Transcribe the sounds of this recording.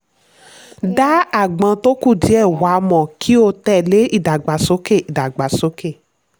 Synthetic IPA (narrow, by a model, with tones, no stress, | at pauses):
da˦a˦˨ɡ͡bã˧to˦ku˦˨di˨˦ɛ˦˨wa˨˦mɔ̃˨kʰi˦o˧tɛ˦˨le˨˦ʔi˦˨da˨ɡ͡ba˨so˨˦ke˦˨i˨da˨ɡ͡ba˨so˨˦ke˦˨